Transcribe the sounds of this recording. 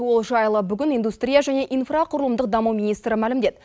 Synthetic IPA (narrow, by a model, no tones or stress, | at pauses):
wo̞lˠʒɑjlˠəbʏɡʲɪnijnd̪ust̪rʲijaʒæne̞ʔinfraqʰʊɾəlˠəmd̪əq̚d̪ɑmumʲijnijst̪ɾəmælɪmd̪e̞t̪